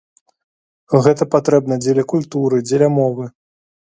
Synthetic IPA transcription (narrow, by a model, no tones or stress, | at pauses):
ɣɛt̪ɐpat̪ɾɛb̚nɐd͡zʲelʲɐkulʲt̪uɾɨd͡zʲelʲɐmɔvɨ